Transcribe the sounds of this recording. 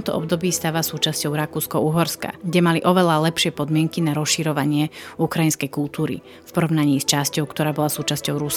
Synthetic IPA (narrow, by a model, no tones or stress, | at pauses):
t̪ɔmt̪ɔ̰ʔɔbd̪ɔbiːst̪aːʋasuːt͡ʃascɔʊɾakuːskɔuɦɔɾska̰ɡɟɛmaliʔɔʋɛlalɛpʃɪɛpɔd̪mɪɛŋkinaɾɔsʃiɾɔʋaɲɪɛukɾajinskɛjkulˠt̪uːɾḭ | fpɔɾɔʋnaɲiːst͡ʃascɔʊkt̪ɔɾaːbɔlasuːt͡ʃascɔʊɾusk